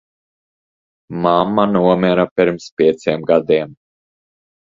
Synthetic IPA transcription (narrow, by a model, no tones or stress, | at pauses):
mamːanuɔmʲɛɾapʲiɾmspʲiɛt̪siːmɡad̪iɛm